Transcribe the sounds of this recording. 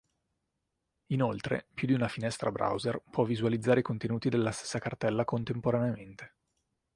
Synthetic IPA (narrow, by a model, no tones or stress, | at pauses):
inolt̪ɾḛpjud̪iunafinɛst̪ɾabɾʔa̰wzerpwɔvːizualid̪zːaːɾeikont̪enuːt̪id̪elːast̪e̥sːakart̪ɛlːakont̪empoɾaneament̪e̥